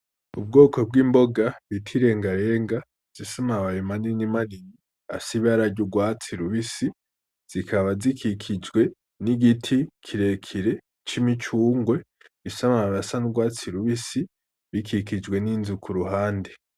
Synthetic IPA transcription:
ub̚ɡo̞ːkʰo̞b̚ɡiːmbo̞ɡaβitʰiɾe̞ːŋɡaɾe̞ːŋɡa | z̥isamaβajimaninimanini | a̰siβaɾaɟuɡwaːt͡siɾuβisi | z̥ikʰaβazikʰikʰid͡ʒɡwe̞ | niɡitʰikʰiɾe̞kʰiɾe̞ | t͡ʃimit͡ʃuːŋɡwe̞ | βisamaaβasanuɡwaːt͡siɾuβisi | βikʰikid͡ʒɡwe̞niːnzukʰuɾuɦaːnde

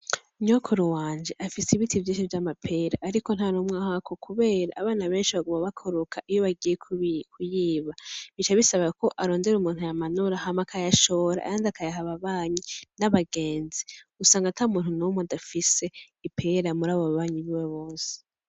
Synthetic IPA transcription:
ɲokʰoɾuwaːnd͡ʒe̞ʔafiseiβitʰivjiːnʃivjamapʰe̞ɾaʔːɾiko̞n̥haɾumŋaːhakʰokʰuβe̞ːɾa̰ʔːβaːnaβe̞ːnʃiβaɡomaβakʰoɾokʰaʔijo̞βaɡijekʰukʰujiːβaβit͡ʃaβisaβako̞ʔaɾo̞ːnde̞ɾumuːn̥hujamanuɾahamakʰajaʃo̞ɾa̰a̰jaːnzakʰajaɦaβaβaːɲinaβaɡe̞ːnziusaːŋɡatʰaumuːn̥hunumodafise̞ | ipʰeɾamuɾaːβoβaβaːɲiβiweβo̞ːse̥

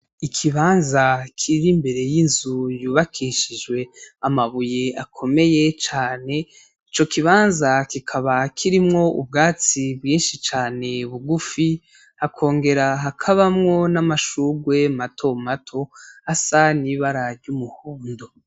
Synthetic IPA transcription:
ikʰiβaːnzakʰiɾimbe̞ɾe̞jinzujuːβakʰiʃid͡ʒɡwe̞amaβujeakʰo̞me̞je̞t͡ʃaːne̞ | it͡ʃo̞kiβaːnzakikʰaβakʰiɾimŋo̞ṵb̚ɡaːt͡sibɡiːnʃit͡ʃaːne̞βuɡufi | hakʰo̞ːŋɡe̞ɾaɦakʰaβamŋo̞namaʃuɡwe̞matʰo̞matʰo̞hasaniβaɾaɾɟumuhuːndo

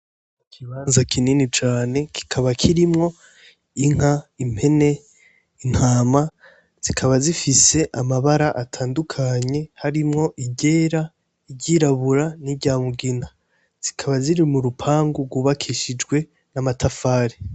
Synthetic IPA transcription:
kʰiβaːnzakʰininit͡ʃaːne̞kʰi̥kʰaβakʰiɾimŋo̞ | iŋ̥aim̥e̞ne̞ | in̥haːma | z̥ikʰaβazifise̞ʔamaβaɾaʔatʰaːndukʰaɲe̞haɾimŋo̞ʔiɟe̞ːɾa | iɟiːɾaβuɾaniɟaːmuɡina | z̥ikʰaβaziɾimuɾupʰaːŋɡuɡuβakʰiʃid͡ʒɡwe̞ | namatʰafaːɾi

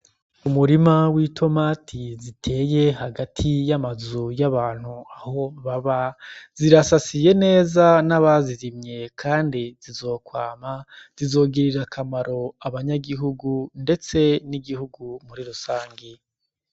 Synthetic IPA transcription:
umuɾimawitʰo̞maːtʰizitʰe̞ːje̞haɡatʰijamazujaβaːn̥huaho̞βaβaz̥iɾasasije̞ne̞ːzanaβaziɾimɲe̞kʰaːndizizo̞ːkwaːmaz̥izo̞ːɡiɾiɾakʰamaɾo̞aβaɲaɡiɦuɡunde̞t͡se̞niɡihuɡumuɾiɾusaːŋɡi

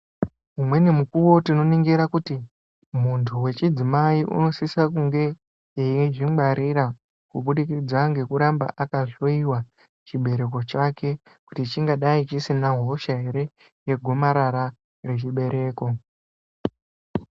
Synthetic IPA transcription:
umwe̞ne̞mukuwo̞tino̞niŋɡiɾakuti | muntʰuwe̞t͡ʃid͡zimaiʔṵno̞sisakuŋɡe̞ | eiʐimaɾʔiɾa | kuɓuɗikid͡zaŋɡe̞kuɾamba̰ʔakaʐo̞iwa | t͡ʃiɓe̞ɾe̞k̬o̞t͡ʃake̞ | kutit͡ʃiŋɡaɗait͡ʃisinaɦo̞ʃaɦe̞ɾe̞ | je̞ɡʱo̞maɾaɾa | re̞t͡ʃiɓe̞ɾʔe̞ːko̞

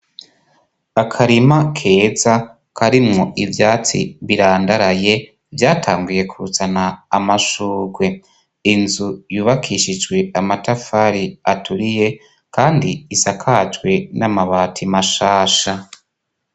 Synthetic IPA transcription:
akʰaɾimakʰe̞ːza | kʰaɾimŋo̞ʔivjaːt͡sḭβiɾaːndaɾaje̞ | vjaːtʰaːŋɡuje̞kʰuɾut͡sanaːmaʃuːɡwe̞ | inzujuːβakʰiʃid͡ʒɡwe̞amatafaɾiatuɾije̞ | kaːndiisakʰad͡ʒɡwe̞namaβaːtʰimaʃaːʃa

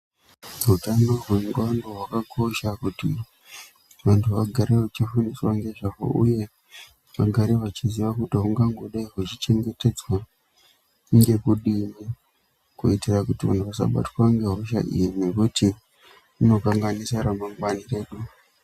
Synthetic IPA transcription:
rutano̞rweŋɡandoɦwakakʰo̞ʃakutḭ | ʋantʰuʋaɡʱaɾeʋat͡ʃifuniswaŋɡe̞ʐaɦo̰ʔṵje̞ | ʋaɡʱaɾeʋat͡ʃiziʋakutiuŋɡaŋɡoɗaiɦut͡ʃit͡ʃe̞ŋɡe̞te̞d͡zwa | ŋɡe̞kuɗimi | kuitirakutiʋa̰ntʰuʋasa̰ɓa̰twaŋɡe̞ɦoʃa̰ʔḭjine̞kuti | uno̞kaŋɡanisaɾamaŋɡwanire̞ːɗu

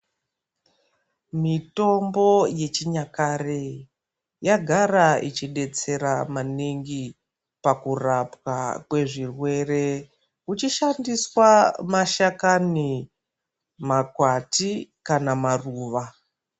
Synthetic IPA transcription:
mito̞mbo̞je̞t͡ʃiɲakare | jaɡʱarait͡ʃiɗe̞t͡se̞ɾamaniŋɡi | pakurapwa̰kwe̞ʐirwe̞re̞ | ut͡ʃiʃandiswamaʃakani | makwatikanamaruːʋa

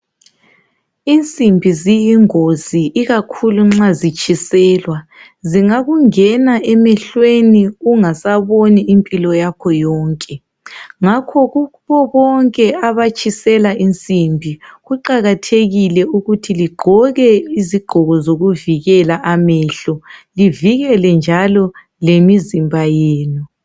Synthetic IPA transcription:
int͡sʼimbʱizijiŋoziʔiɣakʰuluŋ͡ǁazit͡ʃʼisɛːlwa | ziŋaɣuŋɛnaʔɛmɛɬweniuŋasaβoniimpʼilɔjakʰɔjɔːŋkʼɛ | ŋakʰɔɣuβɔβɔŋkʼɛaβat͡ʃʰʼisɛlaʔint͡sʼimbʱiɣuǃaɣatʰeɣilɛuɣutʰiliɡ͡ǃʱɔɣɛiziɡ͡ǃʱɔɣɔzoɣuviɣɛlaʔamɛɬɔliviɣɛlɛnd͡ʒʱalɔ | lemizimbʱajeːnu

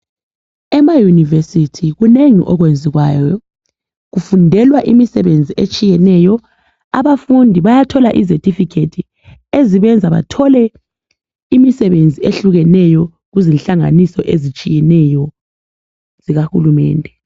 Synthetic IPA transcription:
ɛmajunivesitʰiɣuneŋḭʔɔɣwend͡zʱiɣwaːjɔ | ɣufundʱɛlwaʔimisɛβend͡zʱiʔet͡ʃʼijɛnɛjɔ | aβafundʱiβajatʰɔlaʔizetʰʼifikʰetʰi | eziβɛnd͡zʱaβa̰tʰɔlɛ | imisɛβend͡zʱieɬuɣɛnɛjɔ | ɣuzinɬaŋa̰nisɔʔezit͡ʃʼijɛnɛjɔ | z̥iɣahulumɛ̰ːndʱɛ

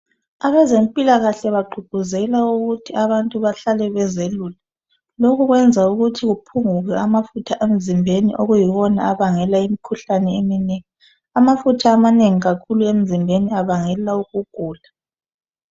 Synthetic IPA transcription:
aβɛzempʼilaɣaɬɛβaɡ͡ǃʱuɡ̥ʱuzɛlauɣutʰiaβantʼuβaɬalɛβɛzelula | loɣuɣwɛnd͡zʱauɣutʰiɣupʰuŋuɣɛamafutʰaʔem̩zimbʱenḭʔoɣujiβɔna̰aβaŋɛlaimikʰuɬanɛemineŋi | amafutʰaːmaneŋiɣakʰuluem̩zimbʱeniaβaŋɛlauɣuɡ̥ʱuːla

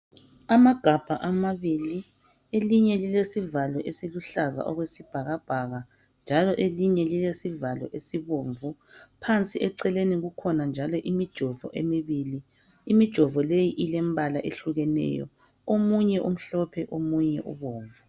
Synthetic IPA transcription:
amaɡ̥ʱab̥ʱaʔamaβili | eliɲɛlilesivalɔʔesiluɬaza̰ʔɔɣwesib̥ʱaɣab̥ʱaɣa | nd͡ʒʱalɔʔeliɲɛlilesivalɔ̰ʔesiβoːɱvu | pʰant͡sʼiɛǀɛleniɣukʰɔnand͡ʒʱalɔʔimid̥ʒ̥ʱɔvɔ̰ʔemiβiːliː | mid̥ʒ̥ʱɔvɔlejiʔilɛmbʱalaʔeɬuɣɛnɛ̰jɔ̰ | omuɲɛʔum̩ɬɔpʰɛʔomuɲɛʔṵβoːɱvu

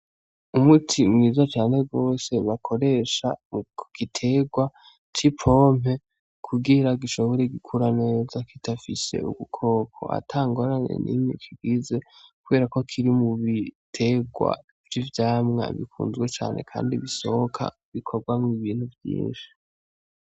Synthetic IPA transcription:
umutʰimŋiːzat͡ʃaːne̞ɡo̞ːse̞βakʰo̞ɾe̞ʃamukuɡ̥itʰe̞ɡwa | t͡ʃipʰo̞ːm̥e̞ | kʰuɡiɾaɡiʃoβoɾeɡikʰuɾane̞zakitafise̞̰ṵɡukʰo̞ːkʰo̞̰a̰tʰaːŋɡo̞ɾaɲḛnʔḭmɲikʰiɡize̞kuβe̞ːɾako̞kʰiɾimuβitʰe̞ɡwa̰ | vjivjaːmŋa̰βḭkʰṵːnzɡwe̞t͡ʃa̰ːnʔe̞̰kʰa̰ːndiβiso̞hokʰa̰ | βikʰo̞ɾɡwamŋiβiːn̥huvjḭːnʃi̥

